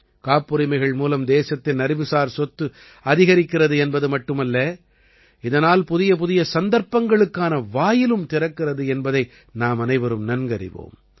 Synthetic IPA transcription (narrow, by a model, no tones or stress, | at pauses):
kaːpːɯɾɪmɐɪɣɐɭmuːlɐmd̪eːsɐt̪ːɪnːɐɾɪʋɯsaːɾsɔt̪ːɯ | ɐðɪɣɐɾɪkːɪɾɐðɯɛnbɐðɯmɐʈːɯmɐlːɐ | ɪðɐnaːlpʊðɪjɐp̬ʊðɪjɐsɐnd̪ɐɾpːɐŋɡɐɭɯkːaːnɐʋaːjɪlɯmt̪ɪɾɐkːɪrɐðɯɛnbɐðɐɪ | naːmɐnɐɪʋɐɾɯmnɐnɡɐɾɪ̰ʋo̰ːm